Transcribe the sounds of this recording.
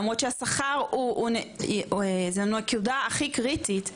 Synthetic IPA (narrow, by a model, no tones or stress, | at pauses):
mʁotʃeasaχaʁuneezeanuakiudaːχikʁitit